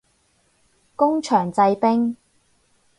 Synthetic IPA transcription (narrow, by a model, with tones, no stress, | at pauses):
kʊ˥ŋt͡ʃʰœː˨˩ŋt͡sɐ˧jpɪ˥ŋ